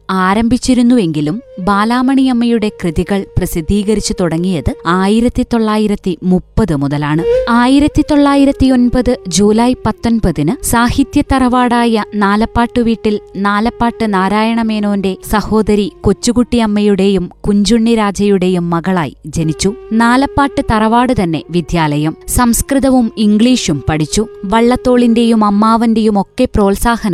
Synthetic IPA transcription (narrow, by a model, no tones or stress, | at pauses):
aːɾɐmbʱit͡ɕːiɾunːue̞ŋɡilumbaːlaːmɐɳijɐmːɐjuɽe̞krɨðiɣɐɭprɐsid̪ʱːiːɣɐɾit͡ɕːut̪uɽɐŋːijɐðɨaːjiɾɐt̪ːit̪o̞ɭːaːjiɾɐt̪ːimupːɐðɨmuðɐlaːɳɨaːjiɾɐt̪ːit̪o̞ɭːaːjiɾɐt̪ːio̞nbɐðɨd͡ʑuːlɐjpɐt̪ːo̞nbɐðinɨsaːhit̪jɐt̪ɐrɐʋaːɽaːjɐnaːlɐpːaːʈːɨʋiːʈːilnaːlɐpːaːʈːɨnaːɾaːjɐɳɐme̞ːnoːnde̞sɐho̞ːd̪ɐɾikot͡ɕːuɣuʈːiɐmːɐjuɽe̞jumkuɲd͡ʑuɳːiɾaːd͡ʑɐjuɽe̞jumːɐɣɐɭa̰ːjd͡ʑenit͡ɕːunaːlɐpːaːʈːɨt̪ɐrɐʋaːɽɨt̪ɐnːe̞ʋid̪jaːlɐjɐmsɐmskrɨðɐʋumiŋɡɭiːʂumpɐɽit͡ɕːuʋɐɭːɐt̪ːo̞ːɭinde̞jumɐmːaːʋɐnde̞jumo̞kːe̞pro̞ːlsaːhɐnɐm